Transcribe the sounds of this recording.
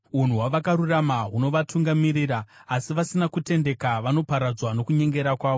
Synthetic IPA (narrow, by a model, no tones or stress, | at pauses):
un̤uwaʋakaɾuramaɦuno̞ʋatʰuŋɡamiɾiɾaːsiʋasinakute̞nde̞kaʋano̞paɾad͡zwano̞kuɲe̞ŋɡe̞ɾakwaːʋo